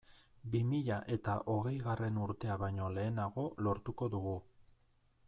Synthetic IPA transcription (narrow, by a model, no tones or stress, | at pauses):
bimiʎaʔe̞t̪aʔo̞ɣe̞jɣare̞nuɾt̪e̞aβajɲo̞le̞ːnaɣo̞lo̞ɾt̪uko̞ðuɣu